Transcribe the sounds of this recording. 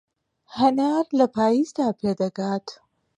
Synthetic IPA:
hɐnaːɾlɐpʰaːjizd̪aːpʰed̪ɐɡaːt̪

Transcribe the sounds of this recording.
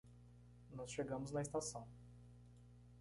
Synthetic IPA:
nɔsʃeɡɐ̃mʊznɐest̪asɐ̃w̃

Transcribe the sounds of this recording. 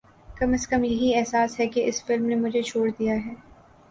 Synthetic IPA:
kɐməskɐmjɐɦiɛɦsaːsɦɛkeʔɪsfɪlmnemʊd͡ʒʱet͡ʃʰoːɽd̪ijaɦɛː

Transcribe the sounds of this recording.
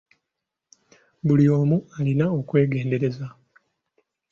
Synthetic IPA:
bulioːmualinao̞kwe̞ːɡe̞ːnde̞ɾe̞za

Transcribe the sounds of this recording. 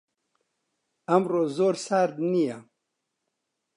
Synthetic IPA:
ɐmroːzoːɾsaɾd̪nija

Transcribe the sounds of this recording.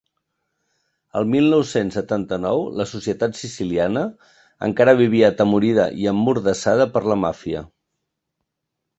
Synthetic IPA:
ə̰lˠmilˠnɔwsensːət̪ant̪ənɔwləsusiət̪at̪sisilianə | ə̰ŋkaɾəβ̞iβ̞iəːt̪əmuɾiðə̰ʔiəmːuɾðəsað̞əpəɾləmafiə̰

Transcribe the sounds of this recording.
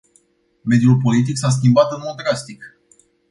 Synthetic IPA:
me̞d̪julpo̞lit̪̬iksas̬kʲimbat̪ɨnmo̞d̪̚ːɾast̪ik

